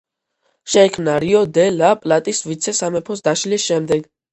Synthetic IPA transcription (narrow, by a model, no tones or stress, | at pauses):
ʃɛikʰmnaɾiɔd̪ɛlapʼlat̪ʼisvit̪sʰɛsamɛpʰɔsd̪aʃlisʃɛmd̪ɛɡ